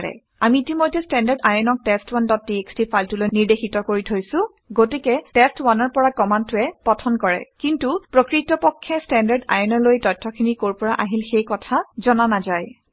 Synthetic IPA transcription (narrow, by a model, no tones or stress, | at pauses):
ɹɛ̰ | amiːtimojtːɛstɛndaɹdajɔnɔk̚tɛstwandɔt̚ːiekstifʰajltulojniɹdexitɔkoɹitʰojsʊ̃ | ɡotikɛtɛstwanɔɹpɔɹakɔmantʊɛpɔtʰɔnkɔɹɛ̰kintupɹokɹitɔpɔkʰːɛstɛndaɹda̰jɔnɔɹlojtɔjtʰːɔkʰinikoɹpɔɹaʔaɦilxejkɔtʰazɔnanazaj